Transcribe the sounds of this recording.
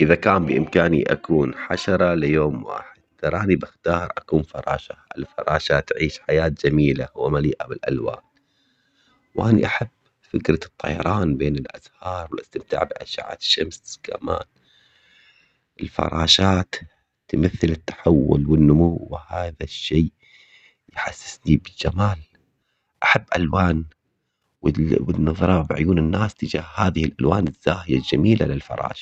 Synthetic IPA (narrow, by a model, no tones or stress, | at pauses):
ʔɪðakaːmbɪʔɪmkaːniʔa̰kuːnħaʃɑɾˤɑlɪjoːmwa̰ːħɪd̪̥̚t̪ɾˤʔɑːnibɪxt̪ɑːɾˤʔakuːnfɑɾˤɑːʃaɪlfɑ̰ɾˤɑːʃat̪ʕiːʃħajaːt̪̚d͡ʒamiːlahʊwːamaliːʔabɪlʔalwa̰ːn | wʔanḭʔaħab | fɪkɾˤɑt̪ˤːɑ̰jɑɾˤɑːnbeːnɪlʔazhɑːɾˤwɪlʔast̪ɪmt̪a̰ːʕbɪʔaʃa̰ʕa̰ʃːamskʰa̰ma̰ːn | ʔɪlfɑ̰ɾˤɑːʃaːt̪ | t̪ːmaθːɪlɪt̪ːḁħawːʊlwɪnːʊmuwːɪhaːðaʃːeː | jħasːɪ̥snibɪld͡ʒamaːl | ʔaħabːʔalwaːn | wɪwɪnːɑðˤɾˤɑbɪʕʊ̰juːnɪnːaːst̪ɪd͡ʒaːhhaːðɪhɪlʔalwaːnɪz̥ːaːhɪjald͡ʒamiːla̰lɪlfɑ̰ɾˤɑ̰ːʃḁ